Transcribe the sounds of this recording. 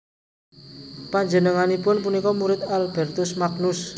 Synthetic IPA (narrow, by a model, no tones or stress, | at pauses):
paɲd͡ʒənəŋanipʊnpunikɔmuɾɪt̪̚alb̥ɛrt̪ʊsmaɡnʊs